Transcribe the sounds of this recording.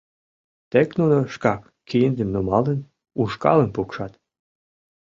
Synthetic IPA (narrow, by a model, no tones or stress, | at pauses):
t̪eknunoʃkɑk | kijənd̪əmnumɑlən | uʃkɑ̰lənpukʃɑt̪